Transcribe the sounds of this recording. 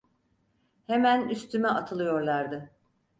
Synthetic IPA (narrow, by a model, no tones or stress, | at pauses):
hemænyst̪ʰymɛʔat̪ʰɯlˠɯjo̞ɾlˠaɾd̪ɯ